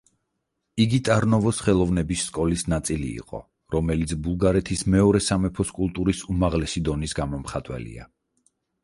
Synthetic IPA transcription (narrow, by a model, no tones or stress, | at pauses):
iɡit̪ʼaɾnɔvɔsχɛlˠɔvnɛbisːkʼɔlisnat̪sʼilḭːqʼɔ̰ | ɾɔmɛlit̪sʰbulˠɡaɾɛt̪ʰismɛɔɾɛsamɛpʰɔskʼulˠt̪ʼuɾisumaʁlɛsid̪ɔnisɡamɔmχat̪ʼwɛ̰lḭa̰